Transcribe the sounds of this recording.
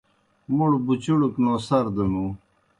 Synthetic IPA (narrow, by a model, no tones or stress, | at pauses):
muɽbut͡ɕuɽuknoːsɐɾd̪ənu